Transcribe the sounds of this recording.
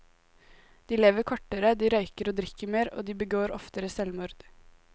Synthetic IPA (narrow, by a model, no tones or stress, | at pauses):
d̪̥iːleːʋəɾkʰɔʈəɾəd̪iːɾœʏkəɾoːd̪ɾɪkəmeːɾo̰ːd̪iːbəɡoːɾɔft̪əɾəsɛlmʊɾd̪̥